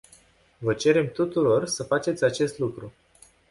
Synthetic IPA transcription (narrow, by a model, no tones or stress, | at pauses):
vət͡ʃe̞ɾe̞mt̪ut̪uɾo̞rsəfat͡ʃe̞t̪sʲat͡ʃe̞st̪lukɾu